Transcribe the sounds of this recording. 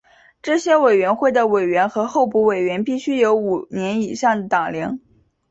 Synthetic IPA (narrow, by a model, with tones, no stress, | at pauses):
ʈ͡ʂɤ˥˩ɕjɛ˥we˨˩ɪɥɛ˧˥nxwe˥˩ɪd̪ə˩we˨˩ɪɥɛ˧˥nxɤ˧˥xo˥˧ʊpu˧˥we˨˩ɪɥɛ˧˥npi˥˩ɕy˥jo˧˥ʊu˨˩njɛ˧˥ni˨˩ʂɑ˥˩ŋd̪ət̪ɑ˨˩ŋljɑ˧˥ŋ